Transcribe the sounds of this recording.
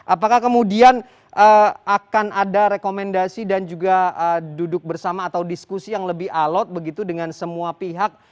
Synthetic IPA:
ʔapakahkəmudian | ʔəakanʔadaɾekomɛndasidand͡ʒuɡaədudʊk̚bərsamaːt̪awdiskusijaŋləbɪhalɔt̪̚bəɡit̪udəŋansəmuapiɦak̚

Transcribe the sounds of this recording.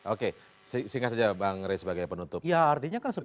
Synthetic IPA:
ʔoke | sisiŋatsad͡ʒabaŋɾesəbaɡajpənut̪ʊpjaːrt̪iɲakansə

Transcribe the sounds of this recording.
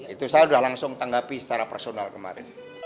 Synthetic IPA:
it̪usajaudahlaŋsʊŋt̪aŋɡapisə̥t͡ʃaɾapərsonalkəma̰ɾɪ̰n

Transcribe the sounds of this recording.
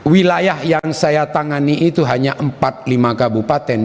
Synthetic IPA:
wilajahjaŋsajat̪aŋaniʔːt̪uɦaɲaʔəmpat̪̚limakabupat̪ɛn

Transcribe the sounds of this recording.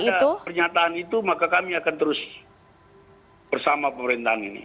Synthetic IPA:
iaupərɲat̪aɦanit̪umakakamiakant̪əɾʊs | b̥ərsamapəməɾint̪aɦanḭnḭ

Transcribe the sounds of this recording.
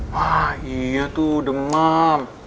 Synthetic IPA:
wahijat̪udəma

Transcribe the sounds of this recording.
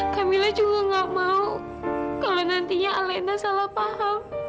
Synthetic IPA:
kamilahd͡ʒuɡaŋɡaʔmau | kalonant̪iɲaalanasalahpaham

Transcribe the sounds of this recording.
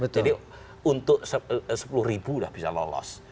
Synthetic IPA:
bətd͡ʒ̪adi | unt̪ʊʔ̚səsə̥pulʊhribulahb̥isa̰lolɔ̰s

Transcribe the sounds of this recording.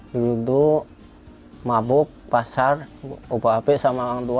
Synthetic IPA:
dɾud̪u | mabʊk̚pasarobaapɛʔsamawaŋt̪ua

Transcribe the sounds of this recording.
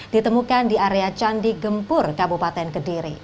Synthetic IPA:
d̥it̪əmukandiʔaɾeat͡ʃandiɡəmpʊrkabupat̪ɛnkədiɾi

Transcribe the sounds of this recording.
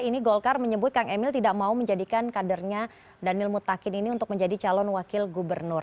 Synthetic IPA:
iniɡɔlkarməɲəbʊt̪̚kaŋɛmɪlt̪idaʔmauməɲd͡ʒadikankadərɲa | danɪlmut̪ːakɪniniunt̪ʊk̚məɲd͡ʒadit͡ʃalɔnwakɪlɡubərnʊr

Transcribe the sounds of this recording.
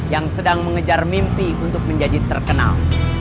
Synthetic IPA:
jaŋsədaŋməŋəd͡ʒarmimpiunt̪ʊk̚məɲd͡ʒad͡ʒit̪ːərkəna̰l

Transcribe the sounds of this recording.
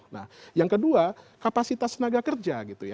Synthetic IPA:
na̰hjaŋkəduakapasit̪asnaɡakərd͡ʒaɡit̪uja

